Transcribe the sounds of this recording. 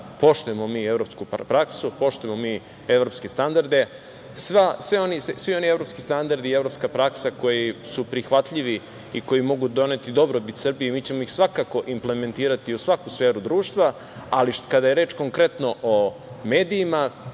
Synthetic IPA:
po̞ʃt̪ujemomiːevɾo̞pskupɾaksupo̞ʃt̪ujemomi | e̞ʋɾo̞pske̞st̪and̪aɾd̪e | sʋasʋeo̞nissʋio̞nie̞vɾo̞pskist̪and̪aɾd̪ievɾopskapɾaksako̞jisupɾixʋat̪ʎiʋi | iko̞jimo̞ɡud̪o̞ne̞ːt̪id̪o̞bɾobit̪sr̩bijemiːt͡ɕe̞mo̞ixsʋakako̞ʔimple̞me̞nt̪iːɾat̪iusʋakusfe̞ːɾud̪ɾuːʃt̪ʋa | alikad̪aje̞ɾe̞ːt͡ʃko̞ŋkɾe̞t̪no̞ʔomeːd̪iːma

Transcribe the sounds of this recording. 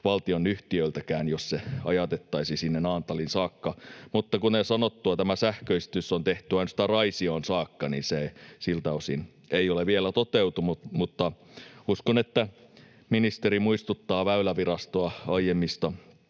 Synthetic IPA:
ʋɑlt̪ionyht̪iølt̪ækæːnjosseɑjɑt̪et̪ːɑisisinːenɑːnt̪ɑlinsɑːkːɑmut̪ːɑkuneisɑnot̪ːuɑt̪æmæsæhkøist̪ysont̪eht̪yɑinsi̥t̪ærɑisioːnsɑːkːɑnḭnsesilt̪æosin | eijoleʋielæt̪ot̪ewt̪umumut̪ːɑ | uskonet̪ːæ | minist̪eɾimuist̪ut̪ːɑːʋæylæʋirɑst̪oɑɑijemːist̪ɑ

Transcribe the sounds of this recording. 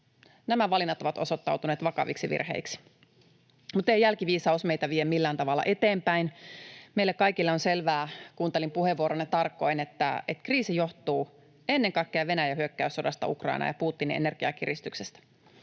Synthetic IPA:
næmæʋɑlinːɑt̪oʋɑt̪o̞̰sot̪ːɑwt̪uneːt̪ʋɑkɑ̰ʋḭksiʋḭrhḛiksi̥ | mut̪ejælkiʋiːsɑusmeit̪æʋiemːilːæːnt̪ɑʋɑlːɑ̰ʔet̪eːmpæinmeilːekkɑikilːeonselʋæːkuːnt̪elimpuheʋːuoɾonːet̪ɑrkːo̞inet̪ːæ̰et̪kriːsijoht̪uː | enːeŋkɑikːeɑʋe̞næjæhyøkːæysːodɑst̪ɑ̰ukrɑ̰inʔɑ̰jɑpuːt̪ːinḭene̞rɡ̥iɑ̰kirist̪yksest̪æ̥

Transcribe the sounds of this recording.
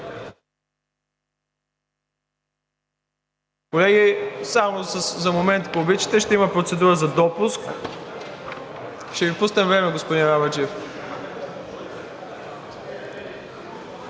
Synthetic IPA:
kolɛɡisamoszɐmomɛnt̪poːbit̪t͡ʃi̥t̪ɛʃt̪ɛimɐpɾot̪sɛd̪uɾəzɐd̪ɔpusk | ʃt̪ɛvipusnɛmvɾɛmɛɡospʊd̪inavɐt͡ʃɛf

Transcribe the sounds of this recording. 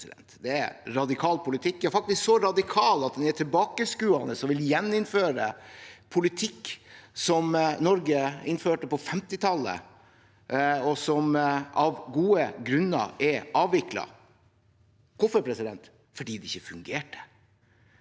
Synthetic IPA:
ɪd̪ɛ̰nt̪d̪ɛæ̰ɾɾɑd̪ɪkʰɑːlpʰʊlɪt̪ʰɪkːd̪ææɾfɑk̚t̪ɪsksɔɾɑd̪ɪkʰɑːlɑt̪̚d̪ɛnæʈʰɪlbɑːkəskʉːɑnəsɔʋɪljɛnːɪnføːɾəpʰʊlɪt̪ʰɪkːsɔmnɔɾɡəɪnføːʈəpɔfɛmt̪ɪt̪ʰɑlːə̰ | ɔsɔmɑʋɡuːəɡɾʉnːɑ̰ʔɛɾʔɑːʋʋɪklɑ̰ | kʰʊfəɾpʰɾɛsɪd̪ɛnt̪ | fɔɖiːd̪ɛɪçːəfʉŋɡeːʈə̥

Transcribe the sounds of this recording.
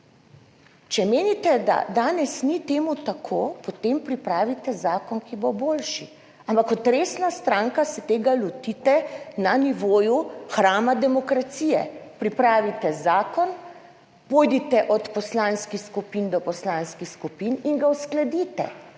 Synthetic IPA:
t͡ʃɛmeːnit̪ɛd̪a̰d̪aːnɛsnit̪eːmut̪akʰoːpot̪empɾipɾaːʋit̪ɛzaːkɔnkiboboːlʃi | ampakɔt̪ɾeːsnast̪ɾaːŋkasɛt̪eːɡalɔt̪it̪ɛnaniʋoːjuxɾaːmad̪ɛmɔkɾat̪siːjɛ̰pɾipɾaːʋit̪ɛzaːkɔn | poːjd̪it̪ɛʔɔt̪pɔslaːnskixskupind̪ɔpɔslaːnskixskupiniŋɡawsklɛd̪it̪ɛ̰

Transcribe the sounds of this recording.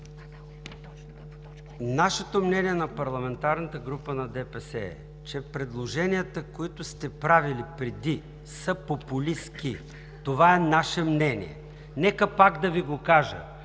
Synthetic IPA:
naʃɛt̪omnɛniɛnɐpɐɾlˠɐmɛnt̪aɾnət̪əɡɾupənɐd̪ɛpɛsɛ̰ | t͡ʃɛpɾɛd̪lˠoʒɛniət̪əkoit̪ʊst̪ɛpɾavilipɾɛd̪i | səpopʊliski | t̪ovaɛnaʃɛmnɛnʲḭɛ̰ | nɛkəpaɡd̪ɐviɡokaʒə̰

